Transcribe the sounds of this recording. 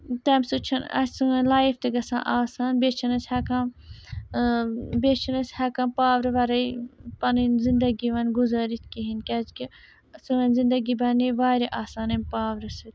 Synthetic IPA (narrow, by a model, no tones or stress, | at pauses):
t̪ɐːmsut͡ʃʰɐnɐ̰sʲsuŋɐnlaːift̪ɐɡɐsã̰ːʔaːsaːnbet͡ʃʰɐnɐsʲhɐːkãm | beːt͡ʃʰɐnɐsʲhɐkãːmpaːʋɾɨʋɐɾɐjpɐninzind̪ɐɡiʋɐnɡuzaːɾit̪ʰkiɦinkʲaːd͡ʒki | suŋɐnzĩnd̪ɐɡibɐniʋaːɾiʔaːsaːnɐmʲpaːʋɾɐsit̪